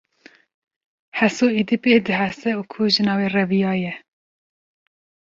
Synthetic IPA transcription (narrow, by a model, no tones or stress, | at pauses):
hɛsoːid̪ipeːd̪ɨɦæsɛuːkʰuːʒɨnɑːweːrɛvijɑːjɛ